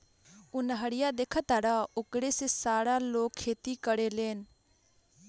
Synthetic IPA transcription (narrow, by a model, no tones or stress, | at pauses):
ʊnɦəɽɪjaːd̪eːkʰət̪aɽaːʊkɽeːseːsaːɽaːloːkʰːeːt̪iːkəɽeːleːn